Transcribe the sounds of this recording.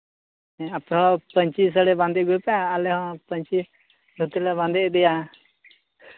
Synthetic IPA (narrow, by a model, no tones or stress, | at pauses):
ɛapɛɦɔ̃pəɲt͡ʃis̬əɽɛbãnd̪ɛɡujpɛjaːlɛɦɔ̃pəɲt͡ʃi | d̪ʱut̪ilɛβãnd̪ɛʔd̪ɛja